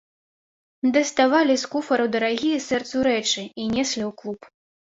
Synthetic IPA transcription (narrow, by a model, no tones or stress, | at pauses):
d̪ɐst̪avalʲiskufɐɾɨd̪ɐɾaɣʲijɛsɛrt̪suɾɛt͡ʂɨinʲɛsʲlʲiwklˠup